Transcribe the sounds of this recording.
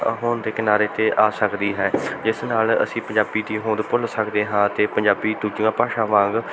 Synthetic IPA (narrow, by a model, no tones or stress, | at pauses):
ɦoːnd̪eːkɪnaːɾeːt̪eːʔaːsəkd̪iːɦɛːd͡ʒɪsnaːlə̰sĩːpə̃ɲd͡ʒaːbiːd̪iːɦõːd̪pʊlsəkd̪eːɦãːt̪eːpəɲd͡ʒaːbiːd̪uːd͡ʒijãːpaːʃãːʋãːŋɡ